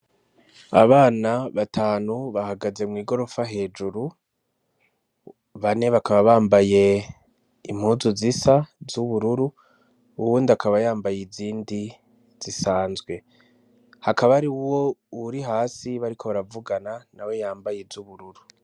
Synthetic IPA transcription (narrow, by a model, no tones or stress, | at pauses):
a̰βaːnaβatʰaːnuβahaɡaze̞mŋiːɡo̞ɾo̞faɦe̞ːd͡ʒuɾu | βane̞βakʰaβaβaːmbaje̞ | im̥huːzuzisavzuβuɾuɾuː | wuːndakʰaβajaːmbajiziːndi | z̥isaːnzɡwe̞ | hakaβaɾiuwo̞uɾiɦaːsiβaɾikʰo̞βaɾavuɡananawe̞jaːmbajezuβuɾuɾu